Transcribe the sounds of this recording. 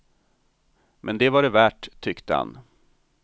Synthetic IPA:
mʔɛnd̪ɛvaɖɛvæːʈ̪ʰːʏkt̪əha̰n

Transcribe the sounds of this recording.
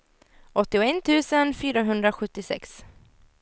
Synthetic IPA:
ɔt̪ːɪɔɛnt̪ʰʉ̟ːsənfyːɾaɦɵnd̪ɾaɧɵt̪ːɪsɛ̰ks

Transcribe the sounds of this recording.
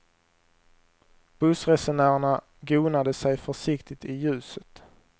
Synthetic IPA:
b̥ɵsɾɛsɛɳæːɾaɳa | ɡuːnad̪əsɛjfœʂɪkt̪ɪt̪ɪjʉ̟ːsət̪

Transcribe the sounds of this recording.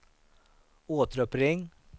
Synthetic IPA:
oːt̪ɾɔpɾɪŋ

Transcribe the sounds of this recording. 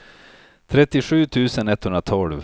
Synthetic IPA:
t̪ʰɾɛt̪ːɪɧʉ̟ːt̪ʰʉ̟ːsənɛt̪ːhɵnɾat̪ʰɔlv

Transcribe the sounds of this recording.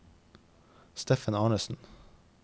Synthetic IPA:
st̪eːfənɑːɳəsn̩

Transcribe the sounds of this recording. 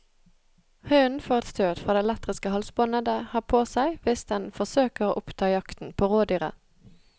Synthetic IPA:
hœʏnfɔʁɛt̪st̪ʰøːd̪fʁɑːd̪ɛlɛt̪ʁɪskəhɑlsbɔnəd̪əhɑːpʰoːsæɪʋɪsd̪ɛnfɔʁsøːkəʁoːʔʊpt̪ʰɑːjɑkt̪n̩pʰoːʁoːd̪yːʁə̰

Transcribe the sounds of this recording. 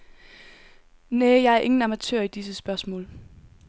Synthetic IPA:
neːjɑ̈ɪæɐʔe̝ŋn̩ɑ̈mæt͡sʰøɐ̰id̥is̬əsb̥ɶɐsmɔ̰̽ːl

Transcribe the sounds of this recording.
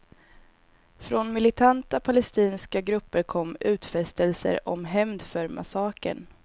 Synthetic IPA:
fɾonmɪlɪt̪ʰant̪apʰalɛst̪iːnskaɡɾɵpːəɾkʰɔmːʉ̟ːt̪fɛst̪əlsə̰ɾɔ̰mɦɛmd̪fœɾmʔa̰sɑːkə̰ɳ

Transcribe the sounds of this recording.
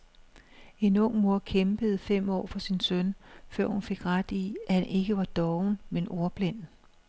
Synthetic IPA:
e̝nɔ̽ŋ̰mo̝ɐkʰemb̥əð̞̩ˠfem̰ɒ̰ːfɒ̽sinsœnfɶɐ̰hunfe̝ɡ̥ʁad̥iæhænʔe̝ɡ̥əʋɑ̈d̥ɒʊnmenʔo̝ɐb̥len̰

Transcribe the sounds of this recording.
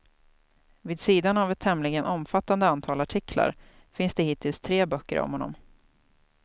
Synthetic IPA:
viːd̪siːd̪anavɛt̪ʰːɛmlɪɡənɔmfat̪ːand̪əant̪ʰɑːlaʈʰɪkʰla̰ɾ | fɪnsd̪ehɪt̪ɪlst̪ʰɾeːbœkːə̰ɾɔ̰mhɔnːɔ̰m

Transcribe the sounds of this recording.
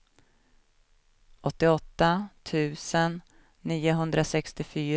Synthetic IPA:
ʔɔt̪ːɪɔt̪ːat̪ʰʉ̟ːsənː | iːʊɦɵnd̪ɾasɛkst̪ɪfyːɾ

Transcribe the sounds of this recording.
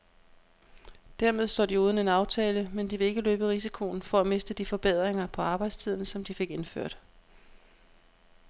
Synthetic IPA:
d̥æɐme̝ð̞ˠsd̥ɒ̰ːd̥iuːð̞ˠn̩e̝nɑ̈ʊt͡sʰɛːləmend̥iʋe̝e̝ɡ̥əløːb̥əʁis̬ikʰo̝nfɒ̽æme̝sd̥əd̥ifɒ̽b̥eð̞̰ˠʁeŋɐpʰɒ̽ɑ̈ːb̥ɑ̈ɪd̥st͡sʰið̞̰ˠn̩sɒ̽md̥ife̝ɡ̥e̝nfø̰ɐ̰d̥

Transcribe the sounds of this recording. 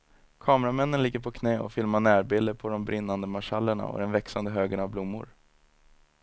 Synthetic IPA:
kʰɑːmɾamɛnːənlɪɡːəɾpʰɔkʰnɛːɔ̰fɪlmaɳæːɾbɪld̪əɾpʰɔd̪ɔmbɾɪnːand̪əmaʂalːəɳa̰ɔ̰d̪ɛnvɛksand̪əɦøːɡənavblʊmːʊ̰ɾ

